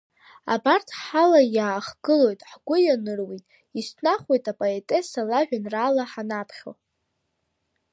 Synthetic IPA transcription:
a̰bartʰħalajaːχɡɨlo̞jtʼħɡʷʊjanɨrwitʼ | istʰnaχwe̞jtʼapʼoetʼe̞salaʒᶣanraːlaħanapʰχʲo̰

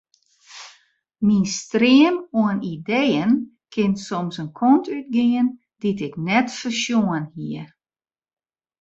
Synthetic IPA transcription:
minstrɪəmoənidejən | kʰɪnsomsənkʰɔntʰyt̚ɡɪən | ditɪknɛtfərsjoənhiə

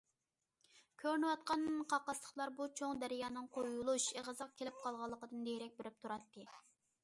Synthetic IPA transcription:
kʲʰøɾnɨwɑt̪̚qɑnqʰɑqːɑslˠə̥χlˠɑɾbut͡ʃʰoŋd̪æɾɪjɑːnɨŋqʰojulˠuʃeʁəzɑq̚kʲʰelɪp̚qʰɑlˠʁɑlˠːəqəd̪ɨnd̪ejɾɛk̚ʲbɪɾɪp̚t̪ʰuɾɑt̪ʰːɨ

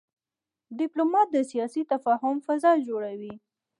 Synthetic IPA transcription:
ɖɪplomɑt̪̚d̪əsijɑsit̪afɑɦʊmfazɑld͡ʒoɽawi

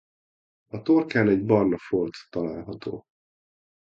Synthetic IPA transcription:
ɒt̪orkaːlɛɟbɒrlɒfolt̪ːɒlaːlɦɒt̪o̰ː

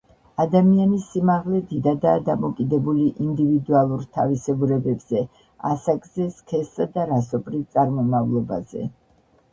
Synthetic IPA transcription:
ad̪amianisimaʁlɛd̪id̪ad̪aːd̪amɔkʼid̪ɛbuliʔind̪ivid̪ualˠuɾt̪ʰavisɛbuɾɛbɛbz̥ɛ | a̰sakʼzɛskʰɛsːad̪aɾasɔpʼɾit̪sʼaɾmɔmavlˠɔba̰z̥ɛ̰

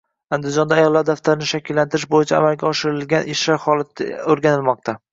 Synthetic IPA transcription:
and̪ɪzd͡ʒɒnd̪aːjɒlːaɾd̪aft̪ʰaɾɪnɪʃakʲɪlːant̪ʰɪɾɪʃbojɪt͡ʃʰaa̰malɡʲaɒʃɪɾɪlɡʲanʔɪʃlaɾχɒlˠat̪ɪ̰oɾɡʲanɪlmɒq̚t̪ʰa

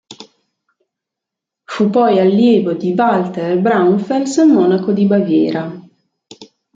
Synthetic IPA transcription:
fupɔjalːjɛːvod̪ibalt̪eɾbɾawunfelsmɔːnakod̪ibavjɛ̰ːɾʔa

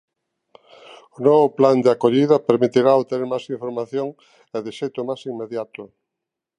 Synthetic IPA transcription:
ʊnɔβʊpland̪eakoʎiðɐpeɾmit̪iɾaoβt̪eneɾmajsiɱfoɾmaθjoŋ | eðeʃejt̪ʊmajsiŋmeðjat̪ʊ

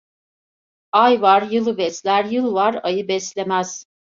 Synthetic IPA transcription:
ajvaɾjɯlˠɯvɛslʲæɾjɯlˠvaɾajɯbɛslʲemæz̥

